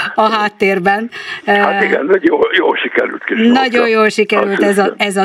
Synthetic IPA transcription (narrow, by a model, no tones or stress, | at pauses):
ɒɦaːt̪ːeːrbɛnhaiɡɛ̰njoːljoːlʃikɛɾy̰lt̪kiʃnnɒɟojjoːlʃikɛɾylt̪ɛzɒɛzɒ